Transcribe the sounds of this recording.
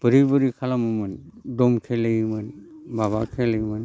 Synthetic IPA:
b̥əɾibɯɾikʰalamumɯndɔmkʰelemɯnbaβa̰kʰeleman

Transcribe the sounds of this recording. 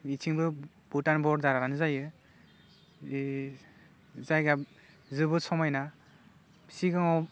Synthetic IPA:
it͡ʃʰiŋbɯ | butanbɔɾdaɾaɾanɯzajɯ | zajɡa | zɯbɯsɔmajna | siɡɯŋɔ

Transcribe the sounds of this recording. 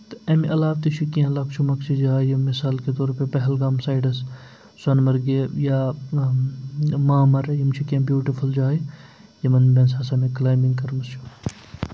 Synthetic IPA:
t̪ɐmʔɐlaːʋt̪it͡ʃʰikiãlaːkt͡ʃʰumɐkt͡ʃʰid͡ʒaːjɐmɪsaːlket̪oːɾpepɐɦɐlɡaːmsaːjɖɐs | sɐnmɐɾɡejaː | maːmɐɾjɐmt͡ʃʰikiãbjuːʈifʰuld͡ʒaːi | jɐmɐnbeːnsɐsɐmẽklaːjmiŋɡkɐɾmɐst͡ʃʰu

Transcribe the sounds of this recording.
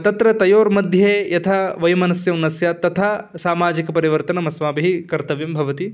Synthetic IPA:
t̪ɐt̪ɾɐt̪ɐjoːɾmɐd̪ʱjɐeːjɐt̪ʰɐʋɐjɐmɐnɐsjɐmnɐsjat̪ɐt̪ʰaːsaːmaːd͡ʒikɐpɐɾiʋɐɾt̪ɐnɐmɐsʋaːbiɦikɐɾt̪ɐʋjɐmbʱɐʋɐt̪i

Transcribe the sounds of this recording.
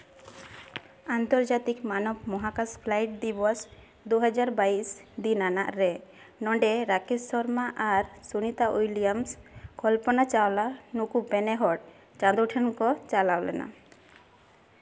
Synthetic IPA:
ant̪ɔɾd͡ʒat̪ikmanɔbmɔɦakaspʰlajʈ̚d̪ibɔs | d̪uɦɛd͡ʒaɾbaisd̪inana̰ʔɾɛ | nɔɳɖeɾakesɔɾmaʔaɾsunit̪aʔujlijamskɔlpɔnat͡ʃawlanukupɛnɛɦɔʈ̚ | t͡ʃãd̪uʈʰɛnkɔt͡ʃalawlɛ̰na̰

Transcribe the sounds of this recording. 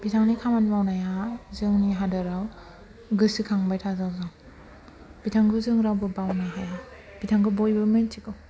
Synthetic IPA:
b̥itʰaŋnikʰamanmawnajazɯŋniɦadɯɾaw | ɡɯsikʰaŋbajtʰazawzaŋ | b̥itʰaŋɡɯzɯŋɾawbɯbawnajɦaja | b̥itʰaŋɡɯbojbɯmɯntʰiɡɯw

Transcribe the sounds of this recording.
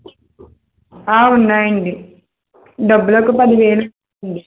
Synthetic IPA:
aːunːaːjɐɳɖi | ɖɐbːuloːkupɐd̪iʋeːlu | ɳɖi

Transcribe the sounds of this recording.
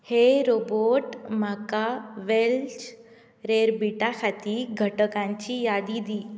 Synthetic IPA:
heɾoboʈm̤akaʋelt͡ɕ | ɾeɾbiʈakʰat̪iɡʱəʈəkãɲt͡ɕijad̪id̪i

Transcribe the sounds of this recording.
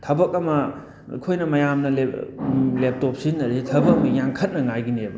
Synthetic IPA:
tʰɐbɐk̚ɐmɐ̰ | kʰojnɐmɐjamnɐle | lep̚top̚sinːɐditʰɐbɐkɐmɐjaŋkʰɐt̚nɐŋajɡinebɐ

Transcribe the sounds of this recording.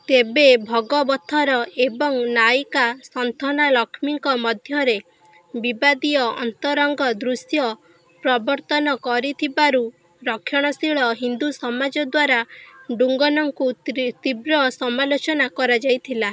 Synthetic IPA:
t̪ebebʱɔɡɔbɔt̪ʰːɔɾɔebɔŋnajkasɔnt̪ʰɔnalɔkʰmiŋkɔmɔd̪ʱjɔɾe | bibad̪iɔɔ̰nt̪ɔɾɔŋɡɔd̪ɾusjɔ | pɾɔbɔɾt̪ɔnɔkɔɾit̪ʰibaɾu | ɾɔkʰjɔɽ̃ɔsiɭɔɦind̪usɔmad͡ʒɔd̪waɾaɖuŋɡɔnɔŋkut̪ibɾɔsɔmalot͡ʃɔnakɔɾad͡ʒajt̪ʰila

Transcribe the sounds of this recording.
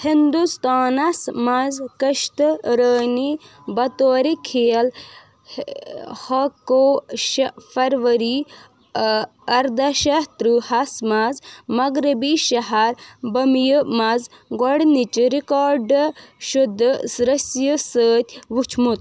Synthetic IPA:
hind̪ust̪aːnɐsmazkɐʃt̪ɾəːni | bɐt̪oːɾikʰejɐl | hɐkoʃfɐɾʋɐɾi | ɐɾd̪ɐʃɐht̪ɾɨhɐsmazmɐɡɾibiʃɐɦɐɾbɐmjəmɐz | ɡoɽnit͡ʃɾikaːɾɖʃud̪ːsɾɐsjəsəːt̪ʲʋut͡ʃʰmut̪̚

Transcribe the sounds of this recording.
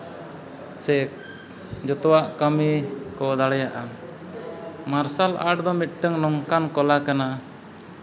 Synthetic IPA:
sɛk | d͡ʒɔt̪ɔwaʔkəmikɔd̪aɽɛjaʔa | maɾsala̰ʈd̪ɔmit̪̚ʈəŋnɔŋkankɔlakana

